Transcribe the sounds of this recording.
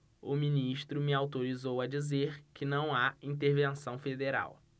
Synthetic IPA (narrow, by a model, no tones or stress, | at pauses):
ʊmĩniʃt̪ɾʊmɪawt̪oɾizowɐd͡ʒizeɾkɪnɐ̃w̃aĩt̪eɾvẽsɐ̃w̃fed̪eɾa̰w